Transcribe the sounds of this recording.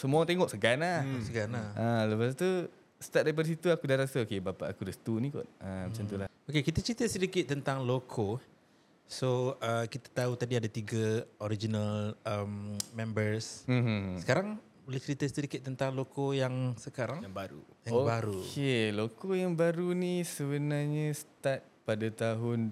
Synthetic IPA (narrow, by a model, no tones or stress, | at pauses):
səmuat̪eŋɔʔ̚səɡanasəɡanahʔaləpast̪u | st̪at̚daɾipadəs̬it̪uakudaɾasaokebapa̰ʔakudəsə̥t̪unikɔ̰ʔ̚amat͡ʃant̪ulahokekit̪ət͡ʃɾit̪əsədikɪt̪̚ːənt̪aŋlokʰo | soəkit̪ḁt̪aut̪adiadat̪iɡəoɾid͡ʒinaləmmɛ̃mbərs̩ | səkaɾaŋ | bolɛht͡ʃɾit̪əsədikɪt̪ːənt̪aŋlokojaŋsəkaɾaŋaŋbaɾṵ | jaoŋbaɾukelokojaŋbaɾunisəbənarɲəst̪at̪̚padat̪aɦʊn